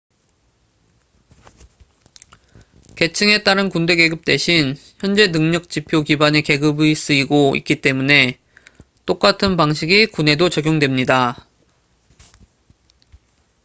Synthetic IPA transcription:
ke̞t͡ɕʰɯŋe̞t͈aɾɯnkunde̞ɡe̞ɡɯp̚t͈we̞ɕʰin | çjʌnd͡ʑe̞nɯŋɲʌk̚t͡ɕ͈ipʰjokibane̞ke̞ɡɯbɯis͈ɯiɡoḭk͈it͈e̞mune̞ | t͈ok͈atʰɯnpaŋɕʰiɡikune̞dot͡ɕʌɡjoŋdwe̞mɲida

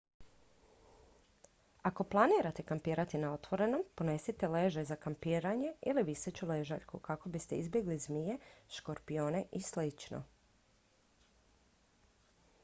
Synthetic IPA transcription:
ako̞plˠaniːɾat̪e̞kampiːɾat̪inao̞t̪ʋo̞ɾe̞no̞mpo̞ne̞sit̪ele̞ʒezakampiːɾaɲe̞iliʋisot͡ʃuleʒa̰ʎkukako̞bist̪e̞izbje̞ɡlizmije̞ʃko̞ɾpijo̞ːne̞ʔislit͡ʃno̰

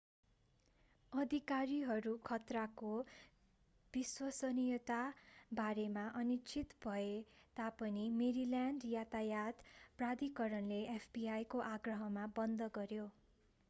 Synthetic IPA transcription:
ʌd̪ʱikaɾiɦʌɾukʰʌt̪rako | b̥iswʌsʌnijʌt̪abaɾemaʔʌnit͡sʰit̪bʱʌet̪apʌnimeɾiljaɳɖjat̪ajad̪prad̪ikʌɾʌnleʔepʰbiajkoʔaɡrʌɦʌmabʌnd̪ʱʌɡʌɾjo

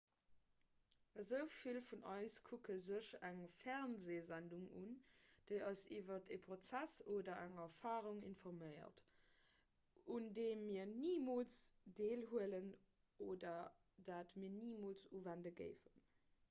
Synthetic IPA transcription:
əzəʊfilfunʔɑɪskʰukəzəɕæŋfæʁnzeːzænduŋṵnd̥əɪɑsiːvɐtʰepʰʁot͡sæsoːdɐæŋɛfaːʁuŋḭnfɔʁmɜɪɐ̰t | undeːmːiːɐniːmoːlt͡sd̥eːlɦuələn | ʔoːdɐ | daːtmiːɐniːmolt͡suːvændəɡə̰ɪfən

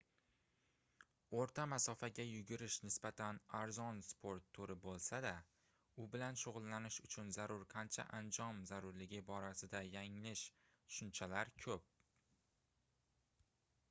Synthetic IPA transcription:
oɾt̪ʰamasɒfaɡʲajʊɡʲʊɾɪʃnɪsbat̪ʰanaɾzɒnspʰo̞ɾt̪ʰːoɾɪbolˠsad̪a | ʊbɪlanʃoʁʊlˠːanɪʃʊt͡ʃʰʊnzaɾʊɾqʰɑnt͡ʃʰa̰ʔand͡ʒɒmzaɾʊɾlɪɡʲɪbɒɾasɪd̪ajaŋlɪʃ | ʃʊnt͡ʃʰalaɾkʰɵp̚

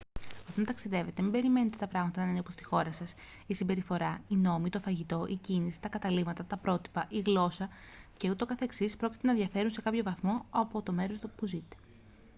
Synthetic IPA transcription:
ot̪ɐnt̪ɐksiðe̞ve̞t̪e̞mimbe̞ɾime̞net̪et̪ɐpɾɐɣmɐt̪ɐnɐnineopost̪i̥xo̞ɾɐsɐs | isimbe̞ɾifo̞ɾɐino̞mit̪o̞fɐʝit̪o̞ʔicinisi̥t̪ɐkɐt̪ɐlimɐt̪ɐt̪ɐpɾo̞t̪i̥pɐʔiɣlo̞sɐ | ce̞ut̪o̞kɐθe̞ksispɾoci̥t̪e̞nɐðʝɐfe̞ɾunse̞kɐpço̞vɐθmo̞ɐpo̞t̪o̞me̞ɾo̞st̪puzit̪e̥

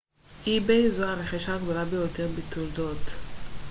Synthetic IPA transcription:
hibejzoaʁeχiʃaɡd̪olabejoteʁbit̪uldot̪

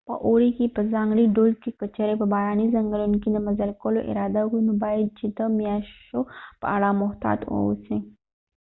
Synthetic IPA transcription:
pə̰ʔoɾikipəd͡zãŋɡɽiːɖolkikət͡ɕəɾepəbaɾanizəŋɡəlunkind̪əmɐzəlkolo̰ʔḭɾad̪akumobailt͡ɕit̪əmjaopa̰ɽamɔɦt̪a̰ːt̪o̰wsẽ

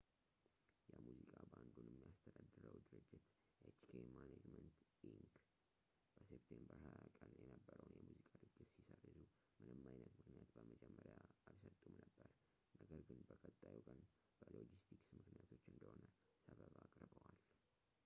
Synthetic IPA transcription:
jɛmuzikʼaband̪unɛmːijast̪ʰəd̪ad̪ːɨɾəd̪ɨɾɨd͡ʒːɪt̪ | ʔet͡ʃkʰemaned͡ʒmənt̪iŋk | b̥əsept̪ʰembəɾhajakʼənjɛnəbːəɾəwnjɛmuzikʼad̪ɨɡːɨt̪sisərːɨzu | mɨnɨmːajnət̪mɨknijat̪bəməd͡ʒɛmːəɾjaaβsət̪ʼumnəbːəɾ | nəɡəɾɡɨnbəkʼət̪ʼːajukʼən | b̥əlod͡ʒist̪ʰiksnmɨknijat̪ʰo̞t͡ʃːɨnd̪əho̞nə | səβəβakʼɾɨbəwal

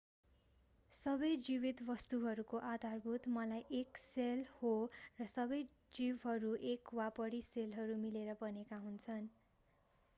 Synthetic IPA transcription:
sʌbʌjd͡ziβit̪bʌst̪uɦʌɾukoʔad̪ʱarbʱut̪mʌlajʔekselhorʌsʌbʌj | d͡zibɦʌɾuʔekwapʌɾiselɦʌɾumileɾʌbʌnekaɦunt͡sʰʌn

